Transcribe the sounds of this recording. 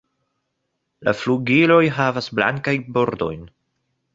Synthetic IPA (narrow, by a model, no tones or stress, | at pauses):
la̰fluɡilo̞jɦavasbla̰ŋkajbo̞ɾdo̞̰jn